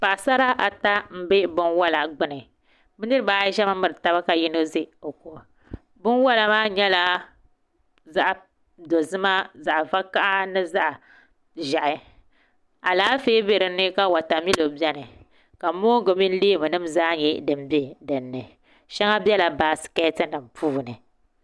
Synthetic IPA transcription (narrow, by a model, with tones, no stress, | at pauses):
pa˨ʔsa˦ɾa˦ʔa˨ta˦m̩˦be˦bʊ˦nwa˦la˨ɡ͡bɨ˦nɨ˨ | bɨ˦nɨ˦ɾɨ˦baː˦ʒɛ˦ma˦mːɨ˨ɾɨ˨ta˦βa˦ka˨ji˦no˦ze˦o˨ko˨ | bʊ˦nwa˦la˨maː˦ɲɛ˦la˦ | za˦ʔ | do˨zɨ˦ma˦za˨ʔva˦ka˦ʔa˦nɨ˦za˦ʔa˨ | ʒa˨ʔɪ˨ | a˨laː˨˦feː˦be˨ɾɨ˨˦nɨ˦ka˦wa˨ta˨mi˦lo˨bɛ˦nɨ˨ | ka˨mo˦ɡo˨mi˦n˦li˦bɨ˨nɨ˦mzaː˦ɲɛ˦dɨ˨mbe˦dɨ˨nːɨ˨ | ʃɛ˦ŋa˦bʲɛ˦la˨baː˨sɨ̥˨ka˦tɨ˦nɨ˨mpʰuː˦˨nɨ˨